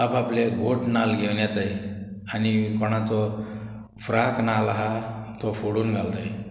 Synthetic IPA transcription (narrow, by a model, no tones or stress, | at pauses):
apapleɡʱoʈnalɡʱewnjat̪aj | anikɔɽ̃at͡sɔ | fɾaknalaɦat̪ɔfoɽuːnɡʱalt̪aj